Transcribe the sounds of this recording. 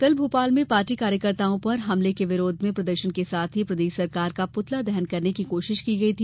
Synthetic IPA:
k̪ɐlbʱuːpaːlmẽpaːɾʈikaːɾjəkɐɾt̪aːõpɐɾɦɐmlekeʋɪɾoːd̪ʱmẽpɾɐd̪əɾʃənkesaːt̪ʰɦipɾɐd̪eːʃsɐɾkaːɾkapʊt̪lad̪ɛɦənkɐɾnekikoːʃɪʃkiɡɐit̪ʰiː

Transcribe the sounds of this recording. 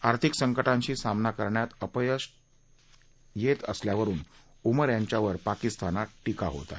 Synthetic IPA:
aɾt̪ʰiksəŋkəʈãɲt͡ɕiːsamnakəɾɳjat̪əpjəs | jet̪əsljaʋəɾuːn | uməɾjaɲt͡ɕjaʋəɾpakist̪ʰanaʈikaɦo̰t̪a̰

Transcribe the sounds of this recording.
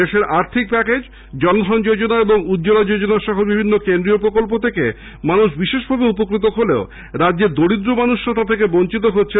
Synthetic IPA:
eʃeɾʔaɾt̪ʰik̚pɛked͡ʑ | d͡ʑɔnd̪ʱɔnd͡ʑod͡ʑonaeboŋud̪ːd͡ʑolad͡ʑod͡ʑonaɾʃɔɦobibʱinːokend̪ɾiopɾokolpot̪ʰeke | manuʃbiʃeʃbʱabeupokɾit̪oɦolḛo | ɾadʑeɾd̪oɽid̪ɾomanuʃːat̪ʰat̪ʰekeboɲt͡ɕit̪oɦotːɕʰe

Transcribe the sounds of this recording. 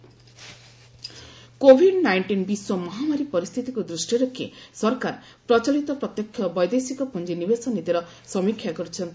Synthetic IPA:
kobʱiɖnajɳʈinbiswɔmɔɦamaɾipɔɾist̪ʰit̪ikud̪ɾusʈiɾɔkʰːḭsɔɾkaɾ | pɾɔt͡ʃɔlit̪ɔpɾɔt̪jɔkʰːjɔbɔjd̪esikɔpund͡ʒinibesɔnit̪iɾɔ | sɔmikʰːjakɔɾut͡ʃʰɔnt̪i

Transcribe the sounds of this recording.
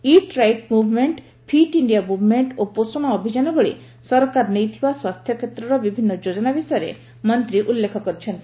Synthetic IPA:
iʈɾajʈmubʱmeɳʈ | pʰiʈiɳɖijamubʱmeɳʈoposoñɔːbʱid͡ʒanɔbɔɭḭ | sɔɾɔkaɾnejt̪ʰibaswast̪ʰjɔkʰet̪ɾɔɾɔbibʱinːɔd͡ʒod͡ʒɔnabisɔjɔɾḛ | mɔnt̪ɾiʔulːekʰɔkɔɾit͡ʃʰent̪i

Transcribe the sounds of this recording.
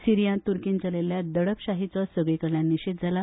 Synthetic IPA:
siɾijãnt̪uɾkiːnt͡səleljad̪əɽəpɕaɦit͡sɔsəɡɭekəɭjãnːiɕet̪̚d͡zʱala

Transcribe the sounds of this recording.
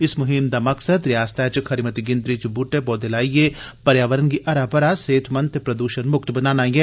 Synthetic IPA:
ɪsmʊɦɪmd̪amɐksəd̪ɾɪjaːst̪ʰɛːt͡ʃxʰɐɾimɐt̪iɡɪ̃nd̪ɾit͡ʃbuʈːebɔːd̪elaːijepɐɾjaːʋəɾənkiʔɐɾaːpɐɾaseːt̪ʰmɐ̃nt̪pɾɐd̪uːʃənmʊkt̪bɐnaːnaːĩɡeː

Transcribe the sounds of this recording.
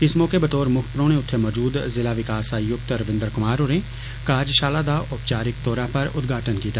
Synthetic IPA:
ɪsmoːkebɐt̪oːɾmʊkʰpɾõːñẽʊt̪ʰːemɔːd͡ʒuːd̪zɪlaʋɪkaːsajʊk̚t̪ɾɐʋɪ̃nd̪əɾkʊmaːɾoɾẽː | kaːd͡ʒʃaːlad̪aːʔʊpt͡ʃaːɾɪkt̪oːɾapɐɾʊ̰d̪ɡʱaːʈənkiːt̪a

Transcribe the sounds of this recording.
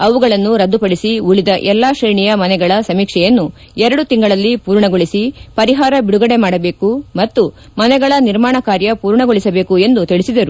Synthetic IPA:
ɐʋuɡɐɭɐnːuɾɐd̪ːupɐɽisiuɭid̪ɐʔɛlːaːʃɾɐjɳijɐmɐnɛɡɐɭɐsɐmiːkʂɛjɐnːu | ɛɾɐɽut̪iŋɡɐɭɐlːipuːɾɳɐɡoɭisipɐɾiɦaːɾɐbiɽuɡɐɽemaːɽɐbe̞ːkumɐt̪ːu | mɐnɛɡɐɭɐniɾmaːɳɐkaːɾjɐpuːɾɳɐɡoɭisɐbeːkue̞nd̪ut̪iɭisid̪ɐɾu

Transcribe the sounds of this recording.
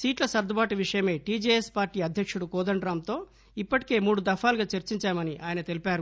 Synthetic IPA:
siːʈlɐsɐɾd̪ʱɐbaːʈiʋiʂɐjɐme̞ːʈiːd͡ʒeːespaːɾʈiːɐd̪ʱjɐkʂuɽukɔːd̪ɐɳɖɾaːmt̪o̞ː | ipːɐʈi̥ke̞ːmuːɽud̪ɐfʰaːluɡaːt͡ʃɐɾt͡ʃiɲt͡ʃaːmɐniʔaːjɐnɐt̪e̞lipaːɾu

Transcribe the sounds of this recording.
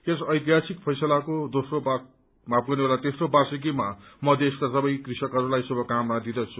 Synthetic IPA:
esʌjt̪iɦasik̚pʰʌjsʌlakod̪osroba | map̚ɡʌnebelat̪esrobasik̬imamʌd̪eskasʌbʌjkrisʌkɦʌɾulajsubʱʌkamːad̪id̪ʌt͡sʰu̥

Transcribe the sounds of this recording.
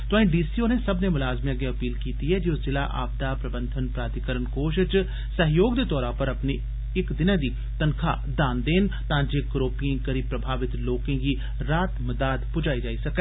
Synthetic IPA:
t̪ʊãĩːɖiːsiːoːneːsəbneːmʊlaːzmẽəɡeːəpiːlkiːt̪iːɦɛːd͡ʒiʊszɪla̰ːʔa̰ːb̚d̪aːpɾəbənd̪ʱənpɾaːt̪ɪkəɾənkoːʃt͡ʃ | səɦjoːɡd̪eːt̪ɔːɾãːpəɾəpneː | ɪkd̪ɪnãːd̪iː | t̪ənkʰa̰ː | d̪aːnd̪eːnt̪ãːd͡ʒeːkɾoːpiẽːkəɾiːpɾəbʱaːʋɪt̪loːkẽːɡiː | ɾaːt̪məd̪aːd̪pʊd͡ʒaːiːd͡ʒaːiːsəkɛː

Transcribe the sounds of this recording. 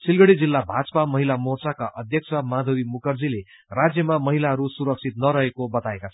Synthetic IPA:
sʰilɡʌɽid͡zilːabʱad͡zʌ̥pamʌɦilamort͡sakaʔʌd̪ʱjʌksʰʌmad̪ʱʌbimukʌrd͡zile | rad͡zjʌmamʌɦilaɦʌɾusuɾʌk̚t͡sʰit̪̚nʌɾʌɦekobʌt̪aekat͡sʰ

